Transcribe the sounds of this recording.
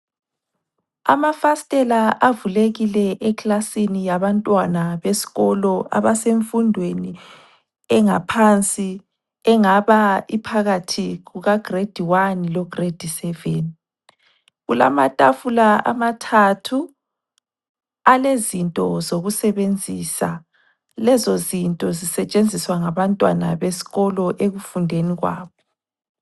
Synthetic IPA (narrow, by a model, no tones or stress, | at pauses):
a̰mafastʼɛlaʔavuleɣilɛʔɛkʰʼlasinijaβantʼwanaβesi̥ɣɔlɔa̰βaseɱfundʱweni | ɛŋapʰant͡sʼi | ɛŋaβaipʰaɣatʰiɣuɣaɡ̥red̥ʱiwanilɔɡ̥red̥ʱisɛveni | ɣula̰matʼafulaa̰matʰatʰu | alezintʼɔzoɣusɛβend͡zʱisa | lɛzozintʼɔzisɛt͡ʃʼend͡zʱiswaŋaβantʼwana̰βesi̥ɣɔlɔʔeɣufundʱeniɣwa̰ːβɔ